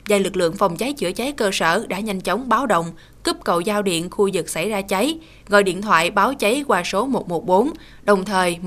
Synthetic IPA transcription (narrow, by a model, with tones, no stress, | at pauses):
zaː˨˩lɨ˨˩k̚lɨ̰˧˨əŋfa˨˩wŋ͡mt͡ɕa˨˦jt͡ɕɨ̰˧˩ət͡ɕa˨˦jkəː˧səː˧˩ɗa̰ː˧˥ɲa˧jŋ̟t͡ɕə˨˦wŋ͡mɓaː˨˦wɗə̰˧˨wŋ͡m | kə˦˥p̚kə̰˧˨wzaː˧wɗḭ˧˨ənxu˧zɨ˨˩k̚sa˧˩jzaː˧t͡ɕa˨˦j | ɣɔ̰˧˨jɗḭ˧˨ənt̪ʰwa̰ː˧˨jɓaː˨˦wt͡ɕa˨˦jkwaː˧so˨˦mo˨˩t̚mo˨˩t̚ɓo˨˦n | ɗə˨˩wŋ͡mt̪ʰəː˨˩j